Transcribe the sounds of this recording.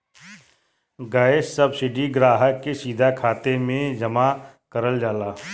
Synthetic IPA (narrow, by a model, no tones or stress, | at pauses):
ɡaːɪʃsɐbsɪɖiɡɾaːɦəkːesiːd̪ʱakʰaːt̪emẽd͡ʒɐmakɐɾəld͡ʒaːlaː